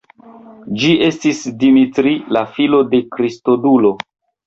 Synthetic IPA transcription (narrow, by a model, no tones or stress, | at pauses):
d͡ʒiʔe̞stisdimitɾilafilo̞de̞kɾisto̞dulo̞